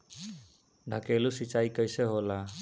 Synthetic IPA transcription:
ɖʱakelusit͡ʃajkəjseɦola

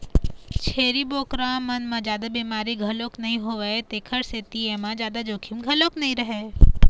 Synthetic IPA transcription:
t͡ʃʰeːɾiboːkɾamənmãd͡ʒjaːd̪abiːmaːɾiɡʱəloknəɦĩɦoʋeet̪ekʰəɾset̪iemãd͡ʒjaːd̪ad͡ʒokʰimɡʱəloknəɦĩɾəɦe

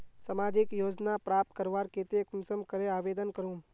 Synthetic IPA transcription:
sɐmaːd͡ʒɪkjoːd͡ʒnapɾaːp̚t̪̚kəɾʋaːɾkeːt̪ekʊnsəmkɐɾeaːʋeːd̪ənkəɾũː

